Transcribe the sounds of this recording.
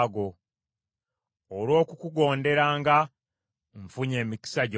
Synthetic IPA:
ɡo̞ | olwo̞ːkukuɡo̞ːnde̞ɾaːŋɡa | ɱfuɲe̞ːmiki̥saɟ

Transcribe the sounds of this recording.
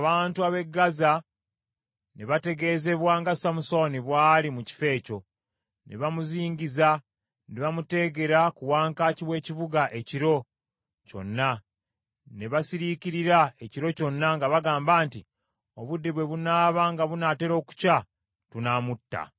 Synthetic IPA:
aβaːntuaβe̞ɡːaza | neβate̞ɡe̞ze̞βwaːŋɡasamuso̞niβwaːlimuci̥fe̞ːco̞ | nḛβamuziːɲɟiza | neβamute̞ɡe̞ɾakuwaːŋkaːciβwe̞ːciβuɡaʔe̞ciɾo̞ | co̞̰nːa | neβasiɾiciɾiɾae̞ciɾo̞co̞nːaŋɡaβaɡaːmbaːnti | o̞βudːeβwe̞βunaːβaŋɡaβunate̞ɾo̞ːku̥ca | tunaːmutːa̰

